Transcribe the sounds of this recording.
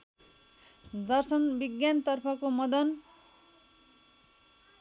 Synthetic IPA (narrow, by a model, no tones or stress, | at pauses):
d̪ʌrsʌnbiɡjant̪ʌrpʰʌkomʌd̪ʌn